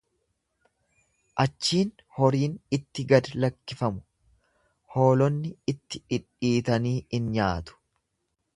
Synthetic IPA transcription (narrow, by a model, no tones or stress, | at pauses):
ʔɐt͡ʃːiːn | hɔɾiːnɪt̪ːɪɡɐd̪lɐkːɪfɐmʊ̥ | ho̞ːlɔnːɪɪt̪ːɪᶑɪᶑiːt̪ɐniːɪnɲaːt̪ʊ̥